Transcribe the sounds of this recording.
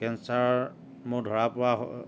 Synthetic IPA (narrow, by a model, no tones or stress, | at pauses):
kɛnsaɹ | mʊdʱɔɹapʊɹa̰